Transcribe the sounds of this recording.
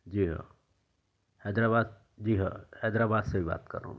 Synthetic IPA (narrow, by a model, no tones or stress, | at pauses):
d͡ʒiːɦa̰ | hɛːd̪ɾabaːd̪ | d͡ʒiːɦa̰hɛːd̪ɾabaːd̪sebʱiba̰ːt̪kɐ̰ɾõ̰